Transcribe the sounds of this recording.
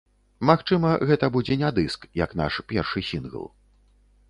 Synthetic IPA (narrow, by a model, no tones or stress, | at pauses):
maxt͡ʂɨmɐɣɛt̪ɐbud͡zʲɛnʲad̪ɨskjɐkn̪a̰ʂpʲɛrʂɨsʲinɣə̰lˠ